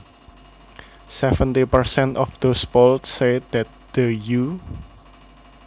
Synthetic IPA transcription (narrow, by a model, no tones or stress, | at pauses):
sɛfənt̪ipərsɛnt̪ɔfd̪̥osboltsed̪̥ɛt̪̚d̪̥əju